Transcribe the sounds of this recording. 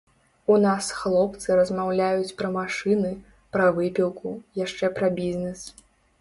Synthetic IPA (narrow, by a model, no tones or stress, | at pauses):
unasxlˠɔpt̪sɨɾɐzmawlʲajut͡sʲpɾɐmaʂɨnɨ | pɾɐvɨpʲilˠkʰujaʂt͡ʂɛpɾɐbʲizʲnɛs